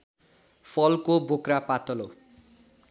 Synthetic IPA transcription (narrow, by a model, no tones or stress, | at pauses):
pʰʌlkobokrapat̪ʌlo